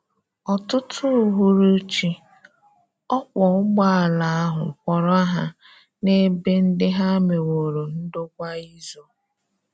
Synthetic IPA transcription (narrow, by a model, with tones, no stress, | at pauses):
ɔ˨tʊ˦tʰʊ˦ɦu˦ɾu˦t͡ʃi˦ | ɔ˦kʷɔ˨ʊ˦ɡ͡ba˦a˨la˨a˦ɦʊ̰˨kʷɔ˨ɾa˦ɦa˦ | ne˦be˦n̩˦dɪ˦ɦa˦me˨wo˨ɾo˨n̩˦do˦kʷa˦i˦zo˦